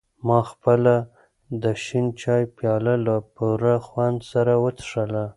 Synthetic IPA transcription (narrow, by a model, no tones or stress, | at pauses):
mɑxpəla | d̪əʃint͡ʃɑjpjɑlalapuɾaxwand̪saɾawət̪ʂəla